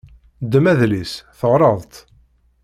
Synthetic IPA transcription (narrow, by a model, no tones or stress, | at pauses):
d̪mæðlisθəʁɾˤɑðˤt̪